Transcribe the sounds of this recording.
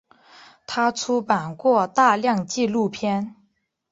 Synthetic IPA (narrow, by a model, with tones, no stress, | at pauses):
t̪ʰa˥ʈ͡ʂʰu˥pa˨˩nkwɔ˥˧t̪a˥˧ljɑ˥˧ŋt͡ɕi˥˧lu˥˩pʰjɛ˥n